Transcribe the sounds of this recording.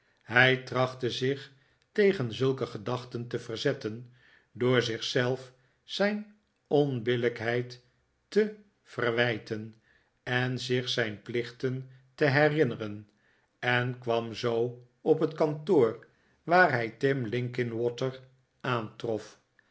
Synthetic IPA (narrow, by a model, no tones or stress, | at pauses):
ɦɛjtrɑχtəzɪχ | tejχənzɵlˠkəχədɑχtəntəvərzɛtən | dʊːɹzɪχsɛlˠf | sɛjn | ɔnbɪləkɦɛjtː | ə | v̥ərʋɛjtən | ɛnzɪχsɛjnplɪχtən | təɦɛrɪnərən | ɛnkʋɑmzow | ɔpɦətkɑntoːr | ʋaːrɦɛjtɪmlɪŋkɪnwɔtəɹ | aːntrɔf